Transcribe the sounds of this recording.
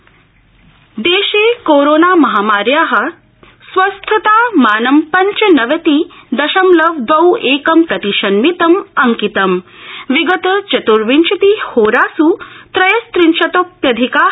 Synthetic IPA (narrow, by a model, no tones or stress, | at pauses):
d̪eːʃeːkoːɾoːnaːmɐɦaːmaːɾjaːɦɐ̆ | sʋɐst̪ʰɐt̪aːmaːnɐmpɐɲt͡ʃɐnɐʋɐt̪id̪ɐʃɐmlɐʋd̪ʋɐweːkɐmpɾɐt̪iʃɐnmit̪ɐmɐŋkit̪ɐmʋiɡɐt̪ɐt͡ʃɐt̪uɾʋint͡ʃʰɐt̪ihoːɾaːsut̪ɾɐjɐst̪ɾinʃɐt̪oːpjɐd̪ʱikaː